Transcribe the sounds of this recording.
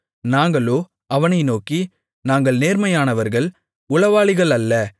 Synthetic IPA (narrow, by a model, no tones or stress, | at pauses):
naːŋɡɐɭoː | ɐʋɐnɐɪnoːki | naːŋɡɐɭneːɾmɐjaːnɐʋɐɾɣɐɭ | ʊɭɐʋaːɭɪɣɐɭɐlːɐ